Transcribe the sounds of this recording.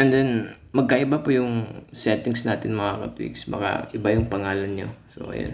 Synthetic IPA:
ɛnd̪ɛn | mɐɡ̚kaʔɪbapʊjʊŋsɛnt̪ɪŋsnaːt̪ɪnmɐŋakɐ̰t̪wɪ̰ksbɐ̰ka̰ʔɪbajʊŋpɐŋaːlɐnɲo̰so̰ʔɐ̰ja̰n

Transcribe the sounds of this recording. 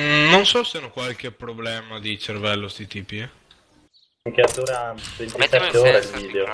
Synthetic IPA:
nonsɔseanokwalk̟epɾoblɛːmad̪it͡ʃervɛlːost̪it̪ipi | ŋkeat̪ːoːɾavent̪isɛt̪ːeoːɾailviːd̪eo

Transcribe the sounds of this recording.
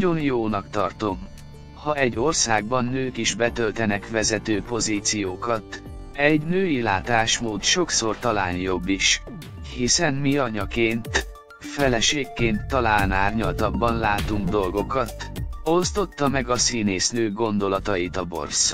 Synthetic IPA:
o̞njoːnɒkt̪ɒrt̪o̞m | hɒɛɟːo̞rsaːɡbɒnːøːkiʒbɛt̪ølt̪ɛnɛkʋɛzɛt̪øːpo̞ziːt̪sijoːkɒt̪ | ɛɟnøːilaːt̪aːʃmoːt̪ʃo̞kso̞rt̪ɒlaːnjo̞bːiʃ | hisɛnmiɒɲɒkeːnt̪ | fɛlɛʃeːkːeːnt̪ːɒlaːnaːrɲɒlt̪ɒbːɒnlaːt̪uŋɡd̪o̞lɡo̞kɒt̪o̞st̪o̞t̪ːɒmɛɡɒsiːneːsnøːɡo̞nd̪o̞lɒt̪ɒjit̪ɒbo̞̰rs

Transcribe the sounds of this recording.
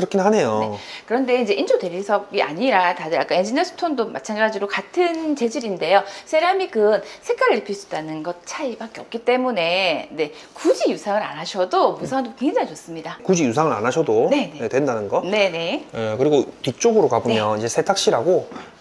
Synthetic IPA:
kɯɾʌkʰinnɦane̞jonekɯɾʌnde̞ind͡ʑe̞ʔind͡ʑodwe̞ɾisʰʌɡia̰ɲiɾatadɯɾak͈aend͡ʑinesʰɯ̥tʰondoma̰t͡ɕʰanɡad͡ʑiɾokatʰɯnt͡ɕe̞d͡ʑiɾinde̞josʰeɾamikɯnsʰe̞k͈aɾɯɾipʰiɭs͈u̥danɯnɡʌt̚t͡ɕʰaibak͈e̞ʌp̚k͈it͈e̞mune̞ne̞ | kud͡ʑijusʰaŋɯɾanaɕʰʌdomusʰaŋdokeŋd͡ʑaŋit͡ɕʌs͈ɯmɲidakud͡ʑijusʰaŋɯɾa̰naɕʰʌdone̞nejetwe̞ndanɯnɡʌne̞ne̞jekɯɾiɡotit͡ɕ͈oɡɯɾokabomjʌnid͡ʑe̞sʰetʰak̚ɕ͈iɾaɡo

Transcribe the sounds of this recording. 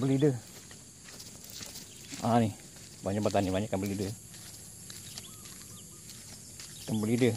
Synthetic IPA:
bəlidə | anɪh | baɲak̚bət̪anibaɲaʔkːabəlidə | kanbəlidə

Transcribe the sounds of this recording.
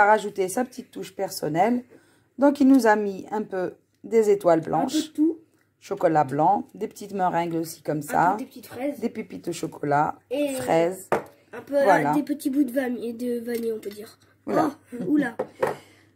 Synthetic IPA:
aʁaʒut̪esapə̥t̪it̪ːuʃpɛʁsɔnɛl | d̪ɔ̃kilnuzamiɛ̃pø | d̪ezet̪walblʔɑ̰̃ʃt̪u | ʃɔkɔlablɑ̃d̪epə̥t̪it̪mɛ̃ʁɛ̃ɡlosi̥kɔmsa̰dp̪ɛzd̪epypit̪̚d̪əʃɔkʰɔlafχɛz | ɛ̃pøvwalad̪epət̪ibud̪əvad̪əvaneɔ̃pød̪iːʁ | ulaula

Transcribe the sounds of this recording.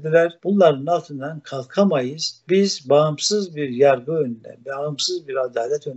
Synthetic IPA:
d̪ilʲæɾbunlˠaɾɯnalˠt̪ʰɯnd̪ankʰalˠkʰamajɯz̥bizbaɯmsɯzbiɾjaɾɡɯønynd̪æ̰nbɛaɯmsɯzbiɾad̪aːlʲɛt̪ʰøn

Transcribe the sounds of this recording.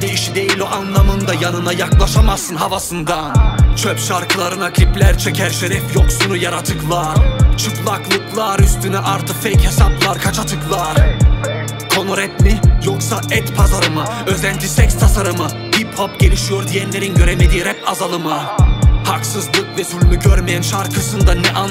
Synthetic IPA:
d̪ejiʃid̪ejilʲiʔanlˠamɯnd̪ajanɯnajaklˠaʃamasɯnɦavasɯnd̪ant͡ʃʰøpʃaɾkʰɯlˠaɾɯnakʰlʲiplʲæɾt͡ʃʰecʰæɾʃeɾɛfjoksunujaɾat̪ʰɯklˠat͡ʃʰɯklˠaklˠɯklˠaɾyst̪ʰynyʔaɾt̪ʰɯkfɛchesaplˠaɾkʰat͡ʃʰat̪ʰɯklˠaɾ̥ | kʰo̞noɾɛt̪lʲijoksaɛt̪pʰazaɾɯmɯøzænd͡ʒisɛcst̪ʰasaɾɯmɯ | biphopɟ̥e̞lʲiʃijo̞ɾd̪ijɛnlʲe̞ɾinɟø̞ɾemed̪iːɾɛp̚azalˠɯmɯhaksɯzlˠɯkvɛzulʲlʲyɟøɾmejænʃaɾkʰɯsɯnd̪anɛʔa

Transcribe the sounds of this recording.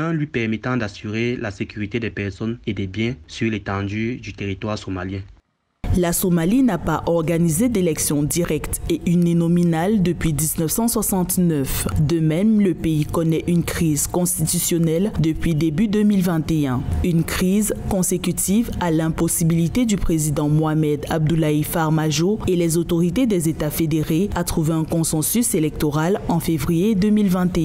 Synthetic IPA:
ɛ̃lɥipɛʁmɛt̪ɑ̃d̪asyʁelasekʲyʁit̪ed̪ɛpɛʁsɔned̪ɛbjɛ̃syʁlet̪ɑ̃d̪yd̪yt̪eʁit̪waʁsomaljɛ̃ | lasomalinapaʔɔʁɡanized̪elɛksjɔ̃d̪iʁɛkt̪eʔyninɔminald̪əpɥid̪iznœfsɑ̃swasɑ̃t̪nœfd̪əmɛmləpeikɔnɛʔynkχizkɔ̃st̪it̪ysjɔnɛld̪əpɥid̪ebyd̪ømilvɛ̃t̪eɛ̃ynkχizkɔ̃sekʲyt̪ʰivalɛ̃pɔsibilit̪ed̪ypχezid̪ɑ̃moamɛd̪ab̚d̪ulaifaʁmaʒoelɛzot̪oʁit̪ed̪ɛzet̪afed̪eʁeat̪χuveɛ̃kɔ̃sɑ̃syselɛk̚t̪oʁalɑ̃fevʁijed̪ømilvɛ̃t̪eɛ̃

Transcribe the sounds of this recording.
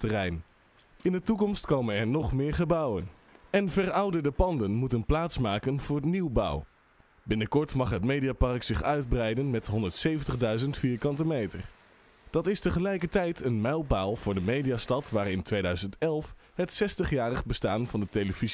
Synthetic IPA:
tərɛjn | ɪndətukɔmstkowmənɛɹnɔχmɪːɹχəbɑwən | ɛnvɛrʌwdədəpɑndənmutənplaːtsmaːkənv̥ʊːɹətniwbʌ̰w | bɪnəkɔɹtmɑχɦətmejdijapɑrksɪχœɥd̚brɛjdənmɛtɦɔndəɹtsejvəntəχdœɥzəntfiːɹkɑntəmejtə̰ɹ | d̥ɑtɪstəχəlɛjkəɹtɛjtʰənmɛjlˠpaːlˠvʊːɹdəmejdijastɑtʋaːrɪntʋejdœɥzəntɛlˠf | ɦətsɛstəχjaːrəχbəstaːnvɑndətejləvi

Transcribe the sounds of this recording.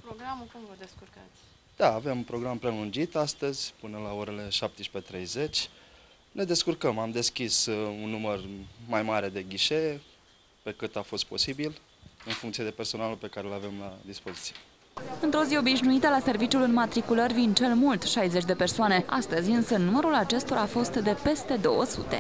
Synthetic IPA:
pɾoɡɾamkumvəd̪eskua | d̪̥aːve̞mpɾo̞ɡɾampɾe̞lund͡ʒit̪ast̪əzʲpɨnəlao̞ɾe̞le̞ʃap̚t̪eʃi̥pe̞t̪ɾe̞jze̞t͡ʃʲ | ne̞d̪e̞skurkəmamd̪e̞skʲisunːumərmajmaɾe̞d̪e̞ɡʲiʃee | pe̞kɨt̪afo̞st̪̚po̞sibil | ɨnfuŋkt̪sije̞d̪e̞pe̞rso̞nalupe̞kaɾelave̞mlad̪ispo̞zit̪sije | ɨnt̪ɾo̞zio̞biʃnuit̪əlase̞rvit͡ʃjulɨnmat̪ɾikulərʲvind̪t͡ʃe̞lmult̪ʃajzet͡ʃʲd̪e̞pe̞rsoane̞a̰st̪əzʲɨnsənuməɾulat͡ʃe̞st̪o̞ɾaːfo̞st̪d̪e̞pe̞st̪e̞d̪o̞̰wəsṵt̪e̞̰

